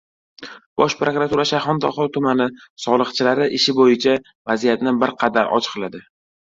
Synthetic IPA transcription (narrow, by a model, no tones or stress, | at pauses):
b̥ɒʃpɾokɾat̪uɾaʃahɒnd̪ɒχɒlt̪ʰʊmanɪsɒlˠɨqt͡ʃʰɪlaɾɪʔɪʃɪbojɪt͡ʃʰa | vazijat̪nɪbɪɾqʰɑd̪aɾʔɒ̰t͡ʃʰɨ̥qʰlˠad̪ɪ